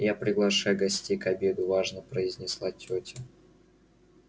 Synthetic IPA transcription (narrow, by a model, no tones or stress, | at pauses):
japɾʲɪɡlˠɐʂajʊɡɐsʲtʲejkɐbʲe̞d̪ʊvaʐnəpɾəɪzʲnʲɪslˠatʲotʲɪ